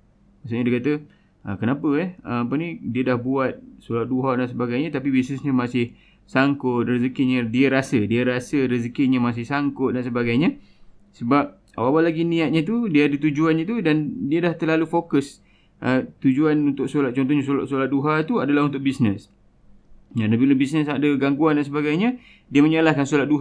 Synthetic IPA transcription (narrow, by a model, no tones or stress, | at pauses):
maʔsʊɲadiakat̪ə | ʔəkənapəɛəmapənĩdiədahbuat̪̚solat̪̚duɦadans̬əbaɡajɲãt̪apibisnəsɲamasɪh | saŋkʊt̪̚rəzəkɪɲadiəɾasədiəɾasəɾəzəkɪɲamas̬ɪhsaŋkʊt̪̚dans̬əbaɡajɲa | səbap̚ | a̰wawalaɡinĩat̪̚ɲat̪̬udiaːdət̪ud͡ʒuanit̪udandiədaht̪əlalufokəs | ʔət̪ud͡ʒuanunt̪ʊk̚solat̪̚t͡ʃɔnt̪ɔhɲãsola̰ʔsolat̪̚duɦat̪uadalaɦunt̪ʊʔ̚bisnəs | jadabiləbisnəsadəɡaŋɡuandansəbaɡajɲã | diəmə̃ɲalahkansulat̪̚duɦ